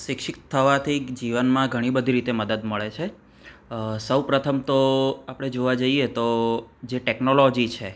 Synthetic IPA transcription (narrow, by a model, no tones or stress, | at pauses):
ʃɪkʃɪkt̪ʰːəʋat̪ʰid͡ʒiʋənmãɡʱəɽ̃ibəd̪ʱiɾit̪eməd̪əd̪məɭet͡ʃʰe | səwpɾət̪ʰəmt̪oapəɽ̃ed͡ʒoʋad͡ʒəiet̪od͡ʒeʈeknolod͡ʒit͡ʃʰe